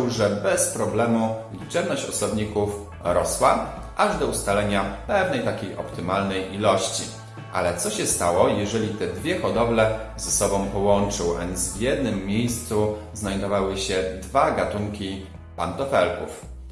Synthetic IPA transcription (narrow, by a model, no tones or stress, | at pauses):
wʐɛbɛspɾɔblɛmulʲit͡ʂɛbnɔɕt͡ɕɔsɔbɲikuf | ɾɔswa | ʔaʐd̪ɔust̪alɛɲapɛvnɛjt̪akʲejʔɔ̰pt̪ɘmalnɛjʔilɔɕt͡ɕḭ | ʔa̰lɛt̪sɔɕɛst̪awɔjɛʐɛlʲit̪ɛd̪vʲjɛxɔd̪ɔblɛzɛsɔbɔ̃w̃pɔwɔnt͡ʂɘwʔɛ̰nzvʲjɛd̪nɘmːjejst̪suznajd̪ɔvawɘɕɛd̪vaɡat̪uŋkʲi | pant̪ɔfɛlkṵf